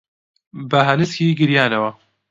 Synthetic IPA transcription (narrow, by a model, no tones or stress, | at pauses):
bɐɦɐnɨskiːɡɨɾjaːnɐwɐ